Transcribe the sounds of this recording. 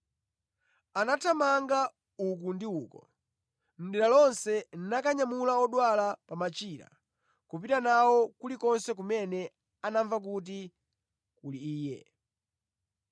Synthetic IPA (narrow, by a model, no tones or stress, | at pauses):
anatʰamaŋɡa | uk̬undiuːkɔ | m̩ɗiɾalɔnsɛninakaɲamulaɔɗwalapamat͡ʃiːɾa̰ | kupitanawɔkulikɔnsɛk̬umɛnɛ | anaɱvak̬ut̬i | kuliiːjɛ̰